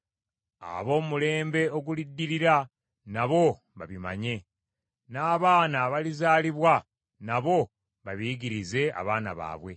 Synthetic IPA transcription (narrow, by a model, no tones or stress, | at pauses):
a̰βo̞ːmule̞ːmbe̞oɡulidːiɾiɾa | naβo̞ | βa̰βima̰ɲe̞ | naːβaːnaβalizaːliβwa | naβo̞ | βaβiɟiɾize̞a̰βaːnaβa̰ːβwe̞̰